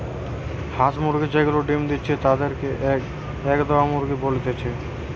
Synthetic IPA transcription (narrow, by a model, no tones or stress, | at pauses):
hat̪muɾɡid͡ʑeɡuloɖimd̪itːt͡ɕʰet̪ad̪eɾkeʔ | ɛkd̪ɔamuɾɡibolt̪et͡ɕʰe